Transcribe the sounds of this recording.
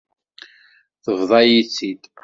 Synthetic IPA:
θəvðˤɑjit͡sːid̪

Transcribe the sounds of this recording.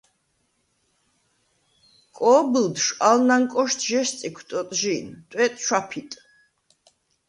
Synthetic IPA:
kʼɔːbild̪ʃalnaŋkʼɔʃt̪ʰʒɛʃsʼikʰt̪ʼɔt̪ʼʒiːnt̪ʼwɛt̪ʼʃwapʰit̪ʼ

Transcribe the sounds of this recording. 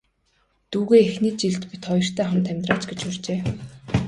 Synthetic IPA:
t̪uːɣeːexniːt͡ɕiɮt̪pit̪χɔjɞ̆r̥t̪ʰæːχə̆mt̪ʰæmʲt̪raːt͡ɕɡet͡ɕʊrt͡ɕeː

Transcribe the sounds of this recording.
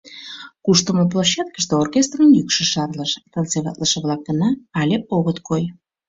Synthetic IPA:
kuʃt̪əmop̬lˠaɕːæt̪̚kə̥ʃt̪eorkʲest̪rəmjykʃə̆ʃɑrləʃt̪ənt͡seβɑ̰t̪ləʃə̆βlɑk̚d̪ənɑːlʲepoɣət̪koj

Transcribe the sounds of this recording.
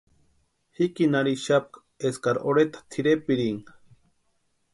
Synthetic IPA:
hikinaɾiʃap̚k | eskaɾoɾet̪ḁt̪ʰiɾepiɾiŋ

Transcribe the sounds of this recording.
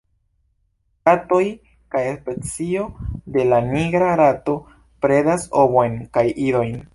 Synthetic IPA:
atoj | kajespet͡sio̞de̞laniɡɾaɾato̞ | pɾe̞daso̞bo̞jnkajʔido̞jn

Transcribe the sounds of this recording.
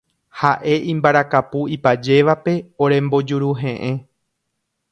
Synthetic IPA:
haʔe̞ʔĩmbaɾakapuipad͡ʒe̞ʋape̞oɾẽ̞mbo̞d͡ʒuɾuɦẽ̞ʔẽ

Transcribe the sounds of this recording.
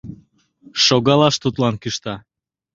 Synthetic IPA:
ʃoɣɑlɑʃt̪ut̪lɑnkyʃt̪ɑ

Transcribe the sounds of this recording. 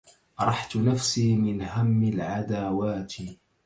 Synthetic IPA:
ɾˤɑħt̪nafsiːmɪnɦamːɪlʕad̪aːwaːt̪ɪ

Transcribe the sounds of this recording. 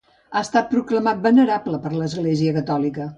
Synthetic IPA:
aəst̪at̪̚pɾukləmat̪̚bənəɾabləpəɾləzɣleziəkət̪ɔlikə

